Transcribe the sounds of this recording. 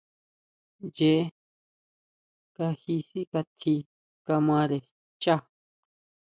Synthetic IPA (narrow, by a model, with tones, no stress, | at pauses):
je˧˦ | ka˧hi˧si˦ka˧t̪ʰi˧ | ka˧mã˧ɾe˨ | t͡ʃa˦